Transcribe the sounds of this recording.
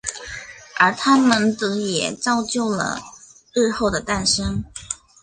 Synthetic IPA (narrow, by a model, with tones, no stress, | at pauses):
ə˞˧˥t̪ʰa˥mə˨nt̪ɤ˧˥jɛ˨˩t͡sɑ˥ʊt͡ɕjo˥˩ʊlə̰˨˩ | ɻɻ̩˥˧xo˥˩ʊd̪ə˩t̪a˥˩nʂɤ˥ŋ